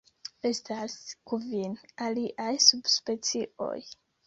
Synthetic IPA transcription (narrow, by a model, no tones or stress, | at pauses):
e̞staskuvinaliʔajsub̥spe̞t͡siʔo̞̰j